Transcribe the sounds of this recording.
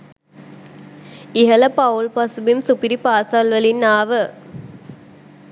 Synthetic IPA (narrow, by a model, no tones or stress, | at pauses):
ɪɦɐlɐpɐulpɐsbimsupiɾipaːsaːlʋɐlinːaːʋɯ